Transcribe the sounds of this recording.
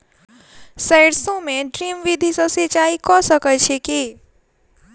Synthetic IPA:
sɛɪɽsõmẽɖɾiːmʋid̪ʱisəset͡ʃaːikɔsəkət͡ʃʰeki

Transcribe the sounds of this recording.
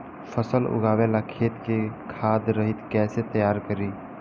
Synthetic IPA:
pʰəsəlʊ̰ɡʱaːʋelakʰeːt̪kekʰaːd̪ɾəɦit̪kɛːset̪əjaːɾkəɾi

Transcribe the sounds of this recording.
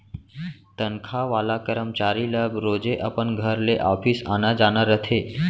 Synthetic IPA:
t̪ənkʰaʋalakəɾəmt͡ɕaɾiləbɾod͡ʒeʔəpəɳɡʱəɾleʔɔfʰisanad͡ʒanəɾət̪ʰe

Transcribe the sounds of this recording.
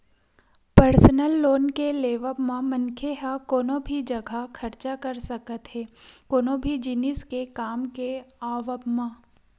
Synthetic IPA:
pəɾsnəlːoːnkeleːʋəpmãmɐnkʰeɦakoːnõbʱid͡ʒɐɡʱakʰɐɾt͡ʃakɐɾsɐkət̪ɦɛːkoːnõbʱid͡ʒɪnɪskekaːmkeaːʋəpmã

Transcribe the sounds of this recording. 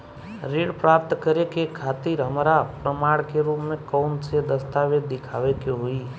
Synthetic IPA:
ɾiɽpɾap̚t̪kəɾekekʰat̪iɾɦəmaɾapɾəmaɽkeɾupmẽkɔwnsed̪əst̪aʋed̪ɪkʰaʋekeɦoi

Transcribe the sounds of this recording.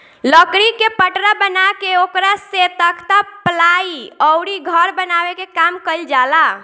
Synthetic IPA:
ləkɾikepəʈɾabənakeokɾaset̪əkt̪əplaiəʊɾiɡʱəɾbənabekekamkəild͡ʒala

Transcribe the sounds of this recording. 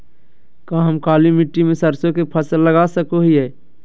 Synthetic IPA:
kãɦəmkaːlimiʈːimẽsəɾsõkepʰəsəlːəɡasəkoɦiɦɛː

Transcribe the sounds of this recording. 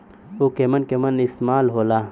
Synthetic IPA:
oːkemɐnkemɐnismaːlɦoːlaː

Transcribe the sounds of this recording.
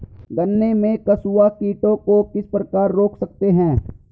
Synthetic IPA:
ɡɐnːemẽkɐsuakiːʈõkokɪspɾəkaːɾːoːkʰsɐk̚t̪eɦɛ̃ː

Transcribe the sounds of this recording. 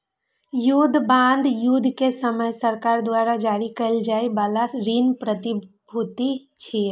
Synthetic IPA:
jud̪ʱbãːnd̪jud̪ʱkesəməjsəɾkaːɾd̪waːɾad͡ʒaːɾikəld͡ʒaːibaːlaɾinpɾət̪i | bʱut̪it͡ʃʰi

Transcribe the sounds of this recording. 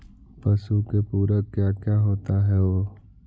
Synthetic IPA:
pɐsukepuːɾəkjaːkjaːɦoːt̪aɦɛʋoː

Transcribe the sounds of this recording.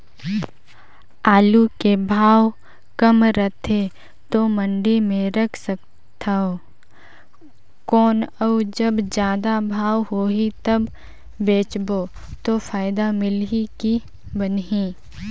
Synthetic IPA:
aːlukebʱaːw | kəmɾət̪ʰe | t̪omə̃ɳɖimẽɾɐkʰsək̚ | t̪ʰaoː | kɔːnɐwd͡ʒəbd͡ʒjaːd̪abʱaːwɦoːɦit̪ɐbː | eːt͡ʃbo | t̪ofaːɪd̪amɪlɦiki | bənɦiː

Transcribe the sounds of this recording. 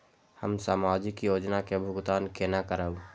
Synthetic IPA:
həmsaːmaːd͡ʒɪkjoːd͡ʒnakebʱʊɡt̪aːnkenakəɾəb

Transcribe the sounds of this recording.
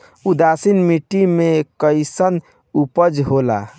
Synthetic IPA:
ud̪asinmiʈimekəɪsən | upəd͡ʒɦola̰

